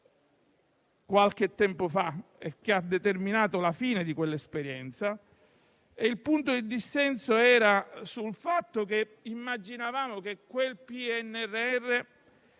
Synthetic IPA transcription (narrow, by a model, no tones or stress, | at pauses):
kwalk̟et̪ːɛmpofaekːead̪ːet̪erminaːt̪olafiːned̪ikwelːaespeɾjɛnt̪sa | eilpunt̪od̪id̪isːɛnsoɛːɾasulfat̪ːokeimːad͡ʒinavaːmok̟ekːwelpiɛnːɛrːeɛrːe